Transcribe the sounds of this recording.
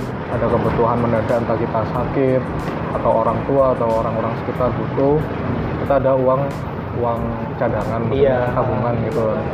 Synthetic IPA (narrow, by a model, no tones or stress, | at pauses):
adakəbut̪uɦanmənadant̪akit̪asakɪt̪̚ | at̪awoɾaŋt̪uaːt̪awoɾaŋoɾaŋsə̥pit̪arbut̪ʊ | kit̪aːdauaŋ | uwaŋ | t͡ʃadaŋanakabuŋanɡit̪u